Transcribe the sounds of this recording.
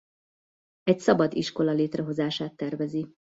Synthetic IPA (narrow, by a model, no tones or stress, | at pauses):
ɛcsɒbɒd̪iʃko̞lɒleːt̪rɛɦo̞zaːʃaːt̪ːɛrvɛzi